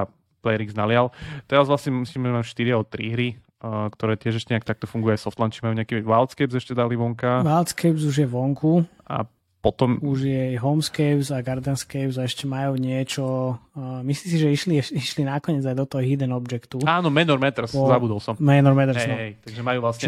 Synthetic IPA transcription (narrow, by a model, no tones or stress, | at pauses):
a | plɛjɾiɡznalɪalt̪ɛɾazʋlasɲɛmisliːmɛʒɛmajuʃt̪iɾiaɔt̪ɾiɦɾi | kt̪ɔɾɛːt̪ɪɛʒɛʃcɛɲɛakt̪ak̚t̪ɔfuŋɡujajsɔft̪lant͡ʃimajuɲɛakiːɛʋalt̪skɛbzɛʃcɛd̪aliʋɔŋkaʋalt̪skɛbzuʒjɛʋɔŋkʰu | a̰ | pɔt̪ɔmuʒjɛɦɔmskɛjbzaɡaɾd̪ɛnskɛjbzaɛʃcɛmajuːɲɪɛt͡ʃɔ | mislims̬iʒɛiʃliiʃlinakɔɲɪɛd͡zajd̪ɔt̪ɔɦɔɦid̪ɛnɔbd͡ʒɛkt̪uaːnɔmɛnɔɾmɛt̪ɾsɔzabud̪ɔlsɔmmɛnɔɾmɛt̪ɾsɛɔɛjt̪aɡʒɛmajuːʋlasɲɛ